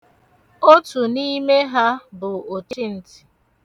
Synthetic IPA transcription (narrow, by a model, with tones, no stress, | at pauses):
o˦tu˨ni˦me˦ɦa˦bʊ˨o˨ti˦n̩˨ti̥˨